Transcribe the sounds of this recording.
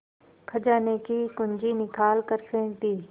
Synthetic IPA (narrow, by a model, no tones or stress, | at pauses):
kʰɐd͡ʒaːnekikʊɲd͡ʒinɪkaːlkəɾsẽːt̪iː